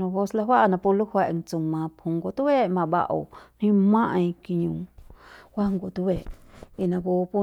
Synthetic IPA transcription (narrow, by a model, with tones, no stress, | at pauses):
õ˧bo˦sla˧ɦwa˦ʔnã˧pu˧lu˦hwɛ˧˨ʔŋt͡sũ˨mã˧phũ˧˨ŋɡo˨t̪u˦we˦ʔmã˧˨ba̰˧ʔo̰˨n̥ĩ˦mã˦ʔĩ˧ki˧ɲũː˨ | kʷa˦ŋɡo˨t̪u˧˦we˨ʔi˧˨nã˧˨ɡo˧pu˦